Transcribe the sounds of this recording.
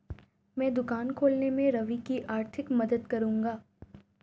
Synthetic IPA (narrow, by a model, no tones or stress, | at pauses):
mɛ̃ːd̪ʊkaːnkʰoːlnemẽɾɐʋikiʔaːɾt̪ʰɪkmɐd̪əd̪kɐɾũːŋɡaː